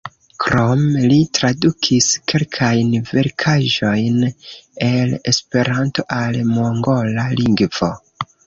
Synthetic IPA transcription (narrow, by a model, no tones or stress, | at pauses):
kɾomlitɾadukʰiske̞lkʰajnve̞ɾkʰaʒo̞jne̞le̞spe̞ɾanto̞ʔalmoŋɡo̞laliŋɡv̥o̞